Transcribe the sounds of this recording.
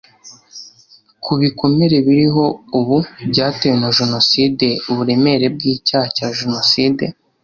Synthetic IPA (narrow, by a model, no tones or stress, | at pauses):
kʰuβiko̞meɾe̞βiɾiɦo̞uβubɟaːtewenaʒeno̞siːde̞uβuɾe̞me̞ɾe̞b̚ɡiːcaːhacaːʒeno̞siːde̞